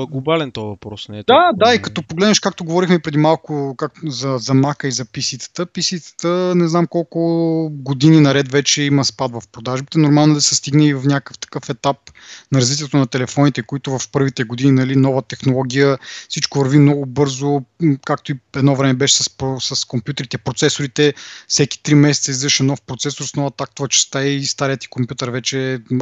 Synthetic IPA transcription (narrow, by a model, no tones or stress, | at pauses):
ɡlˠobalɛnt̪ɔjvɐpɾɔsnɛd̪ad̪aikɐt̪ɔpoɡlɛd̪nʃkak̚t̪oɡovɔɾixmɛpɾɛd̪imalˠkʊkakzɐzɐmakəizɐpisit̪ə̥t̪əpisit̪ə̥t̪ənɛznamkɔlˠkʊɡod̪ininɐɾɛt̪vɛt͡ʃɛiməspad̪vɐfpɾod̪aʒbit̪ɛnoʊɾmalˠnʊd̪ɐsɛst̪iɡnɛivɐfnʲakə̥ft̪ɐ̥kɤfɛt̪ap̚ | nɐɾɐzvit̪̬ʲiɛt̪onɐt̪ɛlɛfɔnit̪ɛkoit̪ʊvɐfpɤɾvit̪ɛɡod̪ininɐlinɔvət̪ɛxnolˠɔɡʲijəfsit͡ʃkʊvɐɾvimnɔɡʊbɤɾzokak̚t̪oiɛd̪nɔvɾɛmɛbɛʃɛ̥sɐsposɐskompjut̪ɛɾit̪ɛpɾot̪sɛsʊɾit̪ɛfsɛkʲi̥t̪ɾimɛsɛt̪səizɛʃɛnɔfpɾot̪sɛsoɾsnɔvɐt̪ak̚t̪ʊvɐt͡ʃɛ̥st̪aɛst̪aɾijət̪i̥kompʲjut̪əɾvɛt͡ʃɛ